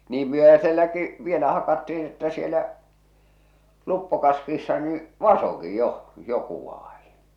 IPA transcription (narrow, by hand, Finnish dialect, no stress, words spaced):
niːm myøhæselːæki ʋielæ hɑkɑtːiĩː etːæ sielæ lupːokɑskiːsːɑ niː ʋɑsoki joh̆ joku ʋɑːj̊i̥n̥